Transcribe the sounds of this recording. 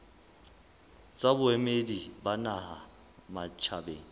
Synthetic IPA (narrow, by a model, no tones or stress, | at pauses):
t͡sʼabʊɛmedibanaha | mat͡ʃʰabḛːŋi